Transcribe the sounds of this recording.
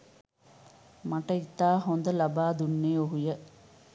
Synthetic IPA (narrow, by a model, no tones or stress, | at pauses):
mɐʈːɐt̪ːaːɦõnd̪ɐlɐbaːd̪unːeːoɦujɐ